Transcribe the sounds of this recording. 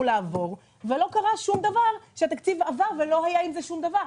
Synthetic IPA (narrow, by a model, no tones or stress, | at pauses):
ulaːvo̞ʁ | velo̞kaʁaʃumd̪avaʁʃeat̪akt͡sivavaʁve̞lo̞ɦajaimzeʃumd̪avaʁ